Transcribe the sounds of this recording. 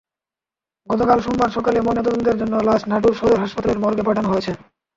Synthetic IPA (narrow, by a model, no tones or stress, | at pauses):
ɡɔt̪okalʃunbaɾʃɔkalemonet̪od̪ont̪eɾd͡ʑonːolad͡ʑnaʈuɾʃod̪oɾɦaʃpat̪aleɾmɔɾɡepaʈʰanoɦoet͡ɕʰe